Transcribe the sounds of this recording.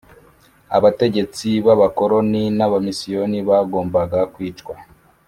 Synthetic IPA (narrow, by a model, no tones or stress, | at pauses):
a̰βate̞ɟe̞t͡siβaβako̞ɾo̞ninaβamisijo̞niβaɡo̞ːmbaɡakwiːt͡ʃkwa